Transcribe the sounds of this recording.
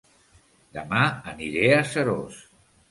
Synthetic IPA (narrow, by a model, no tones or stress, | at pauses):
d̪əmaəniɾeəsəɾo̰s